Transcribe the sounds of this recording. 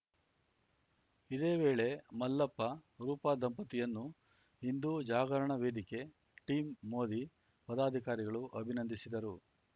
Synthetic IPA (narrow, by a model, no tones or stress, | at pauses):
id̪e̞ːʋe̞ːɭe̞mɐlːɐpːɐɾuːpad̪ɐmpɐt̪ijɐnːu | ɦind̪uːd͡ʒaːɡɐɾɐɳɐʋe̞ːd̪ike̞ | ʈiːmːo̞ːd̪i | pɐd̪aːd̪ʱikaːɾiɡɐɭuʔɐbʱinɐnd̪isid̪ɐɾu